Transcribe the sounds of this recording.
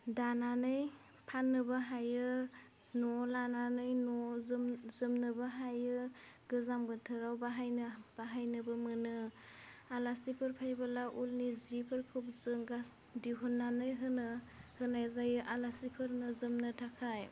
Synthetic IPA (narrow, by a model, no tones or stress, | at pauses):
dananɯj | pʰanːɯbaɦajɯ | nɔlananɯjnɔzzɯmnɯbaɦajɯɡɯzambɯtʰɯɾawbaɦajnɯb̥aɦajnɯbɯmɯnɯ | alasipʰɯɾpʰajbalaʔulnizipʰɯɾkʰɯp̚zɯŋɡas | diɦunːanɯjɦɯnɯhɯnajzajɯʔalasipʰɯɾnɯzɯmnɯtʰakʰaj